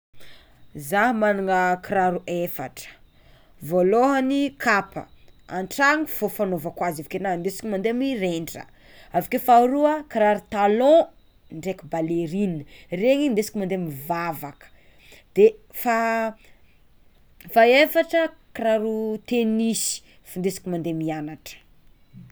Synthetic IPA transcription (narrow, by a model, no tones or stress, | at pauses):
zaɦmanuŋəkiɾaɾuʔefa̰ʈ͡ʂə̥ | voloɦanikʰapə̰a̰ɳʈ͡ʂaŋiv̥ofanovakwazavikenand̪esi̥kimand̪eamireɳɖ͡ʐə̰ | avikefaɾuəkiɾaɾut̪alɔ̃ | ɳɖ͡ʐekibaleɾinəreŋind̪esi̥kimãnd̪emivavakə̥ | d̪̥e | fa | faefaʈ͡ʂəkɾaɾut̪enisi̥ | fand̪esi̥kimand̪emianaʈ͡ʂə̥